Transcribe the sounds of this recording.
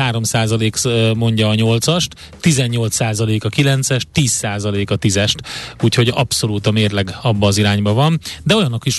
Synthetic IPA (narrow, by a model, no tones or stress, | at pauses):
aːɾo̞msaːzɒleːkmo̞ɲɟɒːɲo̞lt̪sɒʃt̪ːizɛɲːo̞lt̪saːzɒleːkɒkilɛnt̪sɛʃt̪ːiːsːaːzɒleːkɒt̪izɛʃt̪uːcho̞ɟɒpso̞luːt̪ɒmeːrlɛɡɒbːɒːziɾaːɲbɒvɒnd̪ɛo̞jɒnːokiʃ